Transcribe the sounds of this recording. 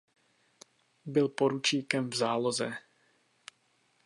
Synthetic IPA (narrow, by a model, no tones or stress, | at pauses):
bɪlpoɾut͡ʃiːkɛmvzaːlozɛ